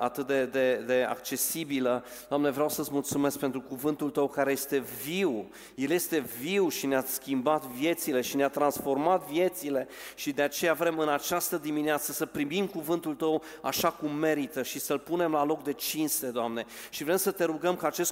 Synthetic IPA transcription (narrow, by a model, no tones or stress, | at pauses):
a̰t̪ɨt̪̚d̪e̞d̪e̞d̪e̞a̰k̚t͡ʃe̞sibilə | d̪̥oamne̞vɾeawsət̪smult̪sume̞sk̚pe̞nt̪ɾukuvɨnt̪ult̪əwkaɾe̞je̞st̪e̞viw | je̞lje̞st̪e̞viwʃineaskʲimbat̪vje̞t̪sile̞ʃineat̪ɾansfo̞rmat̪vje̞t̪sile̞ | ʃid̪e̞at͡ʃe̞javɾe̞mɨnat͡ʃast̪əd̪imineat̪səsəpɾimimkuvɨnt̪ult̪əw | a̰ʃakumːe̞ɾit̪əʃisəlpune̞mlalo̞k̚d̪e̞t͡ʃinst̪e̞d̪oamne̞ | ʃivɾe̞msət̪e̞ɾuɡəmkəat͡ʃe̞st̪